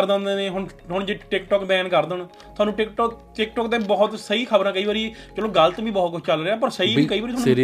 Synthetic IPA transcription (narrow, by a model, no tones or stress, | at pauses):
ɾd̪ãːnd̪eːneːɦʊɳ | ɦʊɳd͡ʒeːʈɪk̚ʈɔːkbɛ̃ːnkəɾd̪əɳ | t̪ʰʊaːnũːʈɪkʈɔːk | ʈɪkʈɔːkd̪ẽːbɔːʊt̪səiːkʰəbəɾãːkəiːʋaːɾiːt͡ʃəloːɡəlt̪ːbĩːbɔːt̪̚kʊd͡ʒʰt͡ʃəlɾeːaːpəɾsəiːkəiːʋaɾiːoaːnː